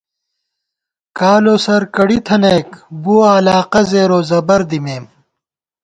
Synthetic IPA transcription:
kaːloːsɐɾkɐɽit̪ʰɐneːkbuaːlaːqɐzeːɾoːzɐbɐɾd̪imeːm

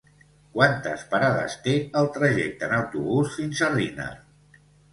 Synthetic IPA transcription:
kwant̪ə̰spaɾaðə̰st̪eəlˠt̪ɾəʒɛk̚t̪ənəwt̪uβusfinzərinə̰

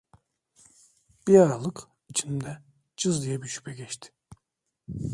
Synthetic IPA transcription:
b̥iaɾalˠɯk | it͡ʃʰind̪ɛ | d͡ʒɯzd̪ijɛbiʃy̥pʰɛɡʲɛʃt̪ʰɪ̥

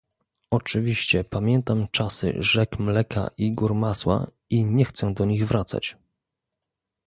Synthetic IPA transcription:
ɔt͡ʂɘvʲiɕt͡ɕɛpamʲjɛnt̪amt͡ʂasɘ̰ʐɛkmlɛkʰa̰ʔiɡuɾmaswa̰ | iɲɛxt̪sɛd̪ɔɲiɣvɾat̪sa̰t͡ɕ

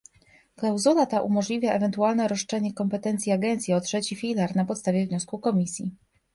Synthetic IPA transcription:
klawzulat̪aʔumɔʐlʲivʲjaɛvɛnt̪ualnɛɾɔʂt͡ʂɛɲɛkɔmpɛt̪ɛnt̪sʲjiaɡɛnt̪sʲjiɔtʂɛt͡ɕifʲilaɾnapɔt̪st̪avʲjɛvɲɔskukɔmʲisʲji

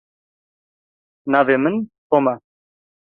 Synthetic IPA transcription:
navemənpoma

